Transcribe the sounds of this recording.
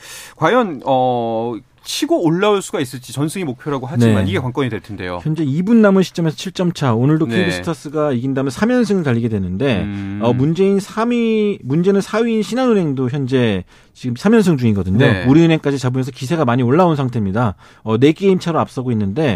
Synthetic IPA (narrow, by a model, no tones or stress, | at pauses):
kwajʌnʌ | t͡ɕʰiɡoːɭːauɭs͈uɡais͈ɯɭt͡ɕ͈it͡ɕʌnsʰɯŋimok̚pʰjoɾaɡoɦand͡ʑei̞ma̰iɡe̞kwaŋk͈ʌɲidweɭtʰende̞̰jo̰çjʌnd͡ʑe̞ibunːamɯnɕʰi̥t͡ɕ͈ʌme̞sʰʌt͡ɕʰiɭt͡ɕ͈ʌmt͡ɕʰaonɯɭdonkʰeeibisʰɯ̥tʰʌs͈ɯɡaiɡindamjʌnsʰamjʌns̬ʰɯŋɯɭtaʎːiɡe̞dwe̞nɯnde̞ʌmund͡ʑe̞insʰamimund͡ʑe̞nɯnsʰaɥiːnɕʰinanɯnɦe̞ŋdoçjʌnd͡ʑe̞ | t͡ɕiɡɯmsʰamjʌnsʰɯŋd͡ʑuŋiɡʌdɯɲouɾiɯnɦeŋk͈ad͡ʑit͡ɕabumjʌnsʰʌkis̬ʰe̞ɡamaɲioɭːaunsʰaŋtʰe̞mɲida | ʌne̞k͈e̞imt͡ɕʰaɾoap̚s͈ʌɡoinːɯnde̞